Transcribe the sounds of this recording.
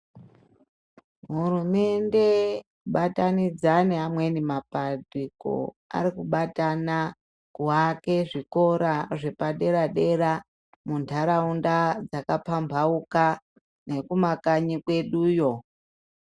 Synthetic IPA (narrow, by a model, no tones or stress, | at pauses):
ɦurume̞nde̞ | ɓatanid͡zaneɦamwe̞nimapadiko̰ | a̰ɾikuɓatana | kuɦake̞ʐikoɾaʐepaɗe̞ɾaɗe̞ɾa | muntʰaɾaundad͡zakapambʱauka | ne̞kumakaɲikwe̞ɗuːjo̞